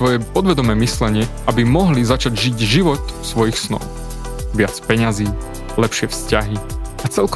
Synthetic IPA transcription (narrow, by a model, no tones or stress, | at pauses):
ʋɔjɛpɔd̪ʋɛd̪ɔmɛːmislɛɲɪɛʔabimɔɦlizat͡ʃaɟʒiɟʒiʋɔt̪sʋɔjixsnɔ̰ʊ | ʋɪat͡spɛɲaziː | lɛpʃɪɛfscaɦiat͡sɛlk